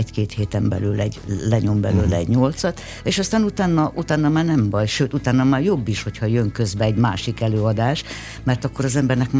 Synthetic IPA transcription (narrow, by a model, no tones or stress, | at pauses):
ɛckeːt̪heːt̪ɛmbɛ̰lyːlɛɟlɛɲo̞mbɛ̰løːlɛɛ̰ɟɲo̞lt̪sɒt̪ | eːʃɒst̪aːnut̪aːnːɒʔut̪aːnːɒmaːrnɛmbɒjʃøːt̪ut̪aːnːɒmaːrjo̞bːiʃho̞chɒjøŋkø̞zbɛɛɟma̰ːʃikɛløːɒd̪aːʃ | mɛrt̪ɒkːo̞ɾɒzɛmbɛrnɛkm